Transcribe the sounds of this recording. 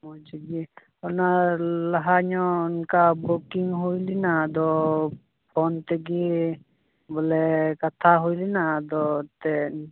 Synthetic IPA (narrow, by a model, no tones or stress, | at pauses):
mɔd͡ʒiɡi | ɔnalaɦaɲɔunkabokiŋɦujlinad̪ɔ | pʰɔnt̪ɛɡi | bɔlɛkat̪ʰaɦujlɛnad̪ɔt̪ɛ